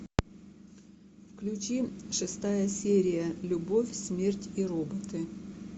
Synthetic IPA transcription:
fklʲʉt͡ɕiʂɨst̪ajəsʲeɾʲɪjəlʲʊbo̞fʲsmʲertʲiɾobət̪ɨ

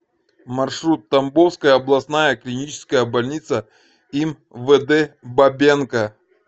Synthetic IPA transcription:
mɐrʂɾut̪ːɐmbofskəjəɐblˠɐsnajəklʲinʲit͡ɕɪ̥skəjəbɐlʲnʲit̪sə | im | vəd̪ɛbɐbʲenkɐ

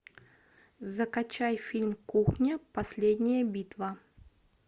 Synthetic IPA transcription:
zɐkɐt͡ɕajfʲilʲmkuxnʲɐpɐsʲlʲed̪ʲnʲɪjəbʲit̪vɐ

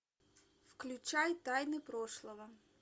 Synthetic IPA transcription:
fklʲʊt͡ʃajt̪ɑjnɪpɾɔʃlˠɔʋɐ

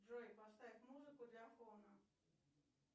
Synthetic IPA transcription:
ʐɔjpɐst̪aʋʲɪt̪ʲmuzɨkʊd̪lʲɐːfɔnɐ

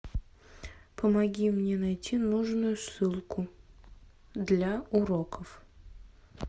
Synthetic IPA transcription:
pəmɐɡʲimnʲenɐjtʲinuʐnʊjʊsːɨlˠkʊ | d̪lʲaʊɾokəf

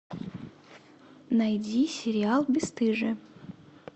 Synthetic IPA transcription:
nɐjdʲisʲɪɾʲɪalˠbʲɪst̪ɨʐɨ

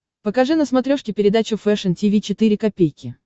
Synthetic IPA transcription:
pəkɐʐɨnəsmɐt̪ɾʲoʂkʲɪpʲɪɾʲɪd̪at͡ɕʊfɛʂəntʲɪvʲit͡ɕɪt̪ɨɾʲɪkɐpʲejkʲɪ

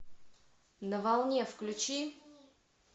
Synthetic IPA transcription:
nəvalˠnʲɛfklʲut͡ʃi

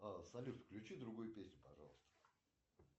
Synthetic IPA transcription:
asɐlʲut̪fklʲʉt͡ɕid̪ɾʊɡujʊpʲesʲnʲʊpɐʐɑ̰lˠəst̪ə̥

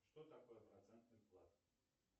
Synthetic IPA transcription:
ʂt̪ot̪akojəpɾɐt̪sɛnt̪nɨjplˠat̪

